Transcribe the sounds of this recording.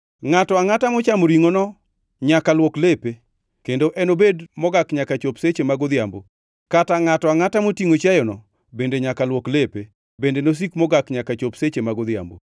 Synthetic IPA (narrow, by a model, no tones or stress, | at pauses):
ŋatɔaŋatamɔt͡ʃamoɾiŋonɔ | ɲakalwoklepe | kendoʔɛnobedmɔɡakɲakat͡ʃopset͡ʃemaɡod̪jambo̰ | kataŋatɔaŋatamotiŋot͡ʃajɔnɔ | bendeɲakalwoklepe | bendenos̬ikmɔɡakɲakat͡ʃopset͡ʃemaɡod̪ɪja̰mbo̰